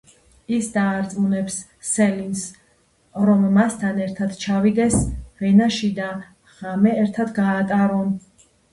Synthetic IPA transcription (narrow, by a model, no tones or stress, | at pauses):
isd̪aːɾt̪sʼunɛpsː | ɛlins | ɾɔmːast̪ʰanɛɾt̪ʰad̪t͡ʃʰavid̪ɛsvɛnaʃid̪a | ʁ̥amɛɛɾt̪ʰad̪ɡaːt̪ʼaɾɔn